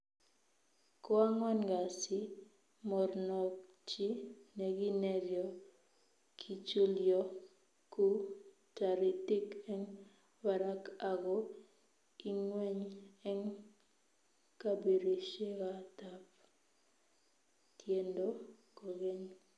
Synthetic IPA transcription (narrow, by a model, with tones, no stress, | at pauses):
kɔ˦a˦ŋɔ˦nɡa˨sɪ˦ | mɔ˨rnɔ˨k | t͡ʃi˦ne˨ɡi˦nɛ˨ɾjɔ˨ | kʰi˨t͡ʃu˦ljɔ˦ | ku˦ | ta˨ɾi˨ti˦kɛ˦ŋ | wa˨ɾa˦ka˨ɡɔ˦ | i˦ŋwɛ˦ɲɛ˦ŋ | ka˦be˨ɾi˨ʃe˦ka˦ta˨p | tje˨ndo˦ko˨ɡe˦ɲ